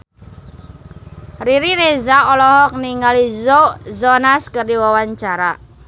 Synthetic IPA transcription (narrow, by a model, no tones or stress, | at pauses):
riɾiɾezaɔlɔɦɔk̚niŋalizoʔzɔnaskərdiwawaɲt͡ʃaɾa̰